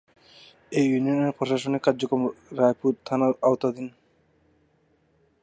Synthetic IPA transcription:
ejunioneɾpɾoʃaʃonekaɾd͡ʑokɾomɾajpuɾt̪ʰanaawt̪ad̪in

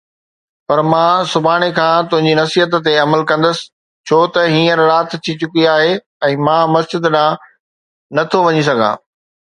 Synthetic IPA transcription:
pɐɾmãːsʊbʱaːɽ̃ekʰãːt̪ʊ̃ɦɪ̃ɲd͡ʑinɐsiːɦət̪t̪eɐməlkɐ̃nd̪əsɪ̥̆ | t͡ɕʰoːt̪ɐɦiːə̃ɾːaːt̪t̪ʰit͡ɕʊkiaːɦe | ɛ̃ːmãːmɐsd͡ʑɪd̪ɗãː | nɐt̪ʰoʋɐɲis̬ɐɡʱã̰ː

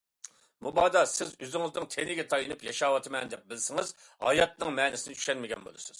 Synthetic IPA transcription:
mubɑːd̪ɑsɪzøzɪŋɨznɨŋt̪ʰenɪɡʲɛt̪ʰɑjɨnɨpjɑʃɑːwɑt̪ʰɨmɛnd̪ɛp̚bɪlsɪŋɪz | hɑ̰jɑt̪nɨŋmɛnɪsɪnɪt͡ʃ̪ʰy̥ʃɛnmɪɡʲɛ̰nbo̰lˠɨsɨz̥

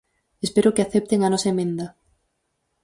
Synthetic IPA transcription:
espeɾʊkɪaθɛp̚t̪eŋanɔsɐemẽnd̪ɐ

